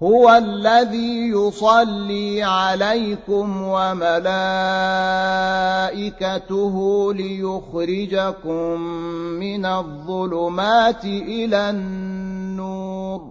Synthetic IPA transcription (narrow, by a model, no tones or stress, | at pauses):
hʊwalːaðiːjʊsˤɑlːiːʕalajkʊmwamalaː | ʔɪkat̪ʊɦʊlɪjʊxɾɪd͡ʒakʊmːɪnaðˤːʊlʊmaːt̪ɪʔɪlanː | uːɾ